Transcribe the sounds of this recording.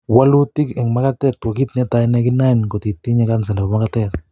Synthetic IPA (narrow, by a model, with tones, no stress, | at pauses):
wa˦lu˦ti˦kɛ˨ŋma˦katɛ˦k̚to˨ki˦t̪nɛ˦ta˨inɛ˦ki˦na˦inko˨ti˨t̪ːi˦ɲɛ˦kans̬ɛ˨nɛ˨po˨makatɛt